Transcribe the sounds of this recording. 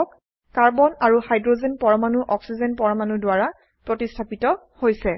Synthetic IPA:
ɔk | kaɹbɔnaɹuhajdɹozenpɔɹɔmanuʔɔksizɛnpɔɹamanudʊwaɹa | pɹotistʰapitɔ | hojsɛ

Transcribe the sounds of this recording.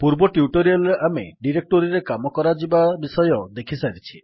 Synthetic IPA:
puɾbɔʈjuʈoɾijalameɖiɾek̚ʈoɾiɾekamɔkɔɾad͡ʒibabisɔjɔd̪ekʰisaɾit͡ʃʰi̥

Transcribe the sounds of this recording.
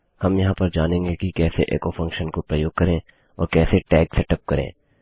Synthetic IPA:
hɐmjɐɦãpɐɾd͡ʒaːnẽːŋɡekikɛːseʔḛːkofʰɐ̃ŋkʃənkopɾəjoːɡ̚kɐɾẽ | ɔ̰ːɾkɛːseʈɛːksɛʈəp̚kɐɾḛ̃ː

